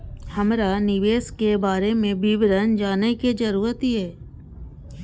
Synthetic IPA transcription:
həmɾanɪʋeːskebaːɾemẽbibɾənd͡ʒaːnekid͡ʒəɾuːɾət̪iɦɛː

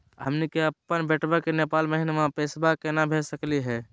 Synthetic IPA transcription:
ɦəmnikeəpːənbeʈbəkenepaːlməɦinemãpesbakenabʱesəkliɦɛː

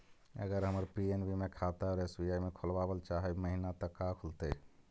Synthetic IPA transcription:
ə̰ɡəɾɦəməɾpienbimekʰat̪aɔɾesbiaimekʰolbabəlt͡ʃaɦɛməɦinat̪əkːakʰult̪e

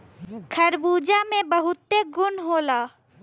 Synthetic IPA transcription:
kʰəɾbuːd͡ʒamẽbəɦʊt̪ːeɡʊnɦoːla

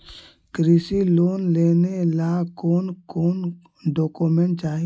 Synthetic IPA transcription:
kɾiːsiloːnleːnelakoːnkoːn | ɖɔːkomeɳʈt͡ʃaːɦi

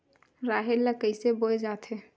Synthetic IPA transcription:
ɾaːɦelːəkəɪseboed͡ʒaːt̪ʰe

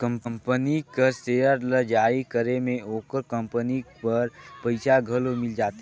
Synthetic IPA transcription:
kə̃mpəmpənikəsejəɾləd͡ʒaːikəɾemẽoːkəɾkə̃mpənipəɾpəɪsaɡʱəlomɪld͡ʒaːt̪

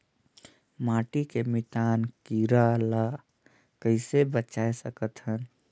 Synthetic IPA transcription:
maːʈikemɪt̪aːnkiɾala | kəɪsebət͡ʃaːesəkət̪ɦən

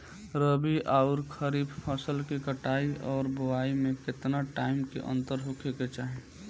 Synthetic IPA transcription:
ɾəbiʔaʊɾkʰəɾiːbpʰəsəlkikəʈaːiɔːɾbʊwaːimẽkɪt̪naʈaːɪmkḛʔə̰̃nt̪əɾɦokʰeket͡ʃaːɦe

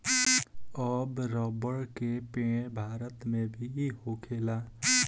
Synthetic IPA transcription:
əbɾəbəɽkepẽbʱaːɾət̪mẽbʱiihokʰela

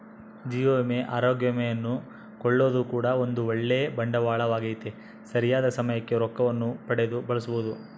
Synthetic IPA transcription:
d͡ʒiːjoːmeʔaːɾoːɡjɐmɛjɐnːu | kɔɭːo̞ːd̪ukuːɽɐo̞nd̪uɔɭːebɐɳɖɐʋaːɭɐʋaːɡejt̪e | sɐɾijaːd̪ɐsɐmɐjɐkːeɾɔkːɐʋɐnːupɐɽed̪ubɐɭɐsubud̪u

